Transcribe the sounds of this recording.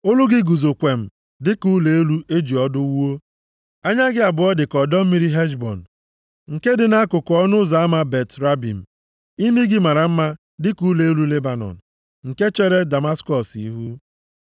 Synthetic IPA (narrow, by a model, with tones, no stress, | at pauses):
o˦lʊ˦ɡɪ˦ɡu˨zo˨kʷe˨m̩˨ | dɪ˦ku˦le˨e˦lu˦ʔe˦d͡ʒi˨ɔ˦dʊ˦wu˦o˦ | a˦ɲa˦ɡɪ˦a˨bʊ˨ɔ˦dɪ˨kɔ˨dɔ˦m̩˦mi˦ɾi˦ɦe˦d͡ʒbɔ˨n̩˨ | ŋ̩˨ke˦dɪ˨na˦kʊ˨kɔ˦nʊ˦za˨a˦ma˦be˨tɾa˦bḭ˨m̩˨ | i˦mi˦ɡɪ˦ma˨ɾa˨m̩˦ma˦ | dɪ˦ku˨˦le˨e˦lu˦le˦ba˨nɔ̰˨n̩˨ | ŋ̩˨ke˦t͡ʃe˦ɾe˦da˨ma˦skɔ˨sḭ˦ɦu˦